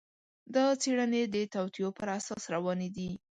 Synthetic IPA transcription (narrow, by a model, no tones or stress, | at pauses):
d̪ət͡seɽəned̪ət̪awt̪ijopəɾasɑsɾawɑned̪i